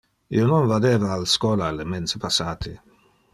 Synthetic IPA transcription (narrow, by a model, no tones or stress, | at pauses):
ḭononvad̪eːvaːlskɔːlalement̪sepasːaːt̪ʰi